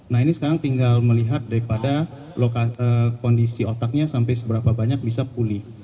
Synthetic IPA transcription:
naɦinisə̥kaɾaŋt̪iŋɡalməliɦat̪̚daɾipada | lokaəkɔndisiot̪ak̚ɲasampajsəbəɾapabaɲak̚bisapulɪh

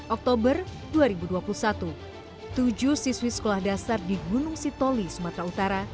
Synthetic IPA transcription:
ʔɔk̚t̪obər | duaɾibuduapulusat̪u | t̪ud͡ʒuhsiswisə̥kolahdasardiɡunʊŋsit̪olisumat̪ɾaut̪aɾa

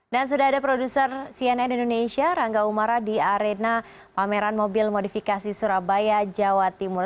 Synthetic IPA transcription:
dans̬udaɦadapɾodusərsiɛnɛnindonesiaɾaŋɡaumaɾadiaɾena | pameɾanmobilmodifikasisuɾabajad͡ʒawat̪imʊr

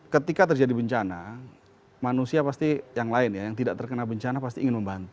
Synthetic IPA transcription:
kət̪ikat̪ərd͡ʒadibəɲt͡ʃana | manusiapast̪ijaŋlaɪnjajaŋt̪idaʔt̪ərkənalbəɲt͡ʃanapast̪iʔːŋɪnməmbant̪u

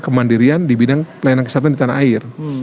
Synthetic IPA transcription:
kəmandiɾiandibidaŋpəlajanankəsat̪andit̪anaaɪr

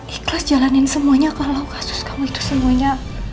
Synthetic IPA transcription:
ʔiklasd͡ʒalanɪnsəmuaɲakalawkḁsʊ̥skamuit̪u̥səmuaɲa

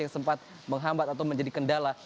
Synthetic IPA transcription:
jaŋsəmpat̪̚ | məŋɦambat̪̚at̪awməɲd͡ʒadikəndala

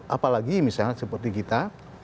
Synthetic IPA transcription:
ʔapalaɡimisaasəpərt̪ikit̪a

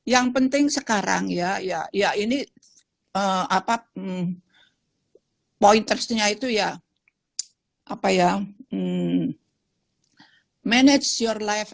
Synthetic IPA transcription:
jaŋpənt̪ɪŋsəkaɾa̰ŋjajajaini | əapa | point̪ərsɲait̪uja | ʔapaja | mɛnɛd͡ʒjɔrlajf

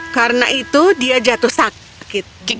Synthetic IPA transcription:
kaɾəna̰ʔit̪udiad͡ʒat̪uhsak | kɪt̪̚ki

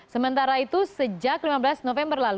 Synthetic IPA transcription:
səmənt̪aɾait̪usəd͡ʒak̚limabəlasnofɛmbərlal

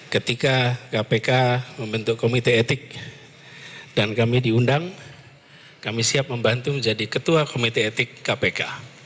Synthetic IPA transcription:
kət̪ikakapekaməmbənt̪ukomit̪eːt̪ɪk̚ | d̥ankamidiundaŋ | kamisiap̚məmbant̪uməɲd͡ʒadikət̪uakomit̪eːt̪ɪkːapeka

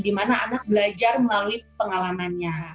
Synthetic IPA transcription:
dimanaanak̚bəlad͡ʒarməlaluipəŋalamanɲa

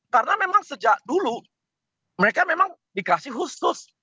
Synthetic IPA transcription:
kaɾənamemaŋsəd͡ʒak̚dulu | məɾekamemaŋ | dikasɪhɦusʊs

